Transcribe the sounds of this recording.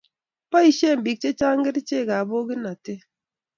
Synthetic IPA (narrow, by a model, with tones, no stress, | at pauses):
pa˦i˨ʃe˦˨m̩˨bi˨k̚t͡ʃe˦t͡ʃa˦ŋ̩˦ɡe˦di˦t͡ʃe˦˨ɡa˨bo˦ɡi˦na˨te˦